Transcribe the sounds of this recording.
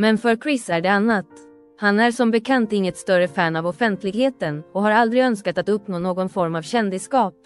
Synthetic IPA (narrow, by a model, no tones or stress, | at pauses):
mɛnfœɾkʰɾɪsæɖɛanːat̪ | hanæɾʂɔmbɛkʰant̪ɪŋːət̪st̪œɾəfɛːnavɔfɛnt̪ʰlɪɡheːt̪ənɔɦaɾald̪ɾɪɡœnskat̪at̪ɵpːnoːnoːɡɔnfɔɾmavɕɛnd̪ɪskɑːp̚